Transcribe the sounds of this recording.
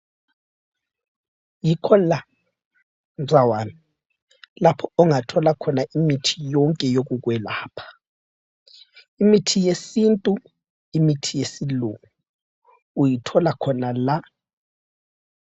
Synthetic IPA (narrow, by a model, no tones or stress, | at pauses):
jikʰɔla | nd͡zʱawaːni | lapʰɔɔŋatʰɔlakʰɔnaʔimitʰi̥jɔŋkʼɛjoɣuɣwɛlaːpʰḁ | imitʰijesintʼu | imitʰijesiluŋu | ujitʰɔlakʰɔnala